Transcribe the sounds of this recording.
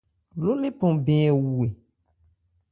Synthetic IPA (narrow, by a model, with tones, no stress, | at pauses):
lo˦le˦pɔ̃˨bẽ˨ɛ˨wu˨e˨